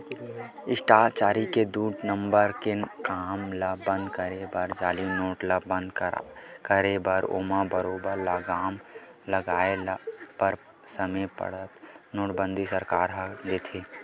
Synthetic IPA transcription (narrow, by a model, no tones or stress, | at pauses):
ɪʃʈaːt͡ʃaːɾiked̪uːʈnə̃mbəɾkekaːmlabə̃nd̪kəɾebəɾd͡ʒaːliːmnoːʈlabə̃nd̪kkəɾebəɾo̰ːmabəɾoːbəɾlaɡaːmləɡaːelpəɾ | səməpə̰ɽət̪noːʈbə̃nd̪ʱisəɾkaːɾɦəd̪eːt̪ʰeː